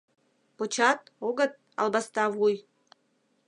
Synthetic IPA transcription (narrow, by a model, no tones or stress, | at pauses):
pot͡ɕɑt̪̚oɡə̆t̪̚ | ɑ̰lˠbɑst̪ɑvuj